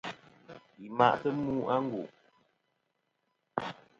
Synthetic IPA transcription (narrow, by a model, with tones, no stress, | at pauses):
i˨ma̰˦˨ʔtə˦muː˦ʔa˦ŋ˦ɡṵ˨ʔ